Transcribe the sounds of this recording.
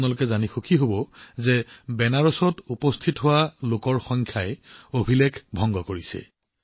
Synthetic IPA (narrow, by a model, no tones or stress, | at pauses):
nalʊkɛzanixukʰiɦobɔzɛbɛnaɹɔsɔtupɔstʰitɦʊwalokɔɹxɔŋkʰjaɛobʱilekʰbʱɔŋɡɔkoɹisɛ̰